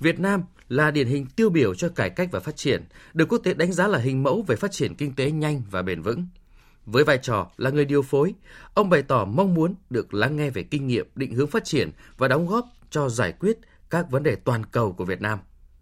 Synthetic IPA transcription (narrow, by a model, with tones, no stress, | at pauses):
vi˨˩ət̚naː˧m | laː˨˩ɗi˧˩ənɦï˨˩ŋ̟t̪i˧əwɓi˧˩əwt͡ɕɔ˧kaː˧˩jka˦˥jk̟̚vaː˨˩faː˦˥t̚t͡ɕi˧˩ənɗɨ˨˩kːu˦˥k̚t̪e˨˦ɗa˨˦ŋzaː˨˦laː˨˩ɦï˨˩ŋ̟mə̰˧˥wve˨˩faː˦˥t̚t͡ɕi˧˩ənkï˧ŋ̟t̪e˨˦ɲa˧jŋ̟vaː˨˩ɓḛ˧˩nvɨ̰˧˥ŋ | vəː˨˦jvaː˧˨jt͡ɕɔ˧˩laː˨˩ŋɨ˨˩əjɗi˨˩əwfo˨˦jʔə˧wŋ͡mɓə˨˧˩jt̪ɔ˧˩ma˧wŋ͡mmu˨˦ənɗɨ˨˩ək̚la˨˦ŋːɛ˧ve˨˩kï˧ŋ̟ŋḭ˧˨əp̚ɗḭ˧˨ŋ̟hɨ˨˦əŋfaː˦˥t̚t͡ɕi˧˩ənvaː˨˩ɗɔ˨˦wŋ͡mɣɔ˦˥p̚t͡ɕɔ˧zaː˧˩jkwi˦˥ət̚ | kaː˦˥k̚və˨˦nɗe˨˩t̪waː˨˩nkə˨˩wku˧˩vi˨˩ət̚naː˧m